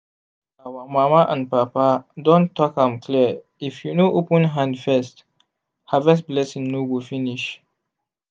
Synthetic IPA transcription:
awamamaʔãnpapadɔ̃ntʰːɔkãmkʰli | ifjunoʔopə̃nɦãndfɛst | havɛsblɛsĩŋnowifiniʃ

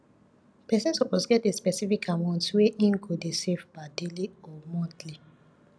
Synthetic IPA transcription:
pɛsɛ̃nsɔpɔsɡɛtespɛsifikʰamãntweʔĩnkʰudesevbadeliɔmɔtli

